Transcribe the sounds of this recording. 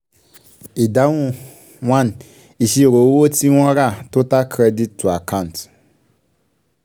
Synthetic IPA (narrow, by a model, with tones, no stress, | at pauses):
i˨da˦wu˦ | wʷa˦n | i˨ʃi˦˨ɾo˨˦wo˦ti˦wʷɔ˦ɾa˦˨tu˦ta˦kɾe˦di˦tːu˨a˨kʰa˦˨n˨t